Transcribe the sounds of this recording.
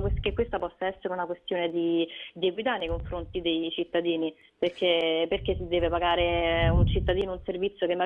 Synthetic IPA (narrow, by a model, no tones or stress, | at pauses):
kkekːwest̪apɔsːaɛsːeɾeunakwest̪joːned̪id̪ieɡwit̪̬anːejkoɱfɾont̪id̪ejt͡ʃit̪ːad̪iːni | perkʰeperkesid̪ːɛːvepaɡaːɾeunt͡ʃit̪ːad̪iːnounservit̪sːjokemːa